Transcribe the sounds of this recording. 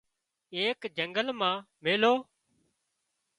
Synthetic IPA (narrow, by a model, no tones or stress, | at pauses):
eːkd͡ʒəŋɡəlmãː | meːloː